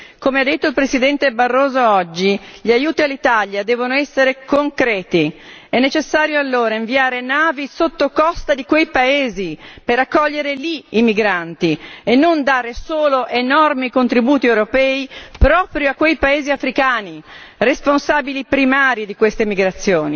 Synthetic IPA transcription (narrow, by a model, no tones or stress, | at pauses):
komead̪ːet̪ːoilpɾesid̪ɛnt̪ebarːoːzoɔd͡ʒːiʎiajuːt̪ialːit̪aʎjad̪ɛːvonoɛsːeɾekoŋkɾɛːt̪iɛnːet͡ʃesːaːɾjoalːoːɾaiɱviaːɾenaːvisot̪ːokɔst̪ad̪ikwejpaeːzipeɾakːɔʎːeɾeliimiɡɾant̪ienːond̪aːɾesoːloʔenɔrmikont̪ɾibuːt̪iewɾopɛːipɾɔːpɾjoakːwejpaeːziafɾikaːniresponsaːbilipɾimaːɾid̪ikwest̪emiɡɾat̪sːjoːni